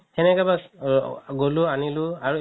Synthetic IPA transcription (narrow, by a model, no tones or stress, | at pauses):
ɛnɛkaba | ɡolʊanilʊaɹu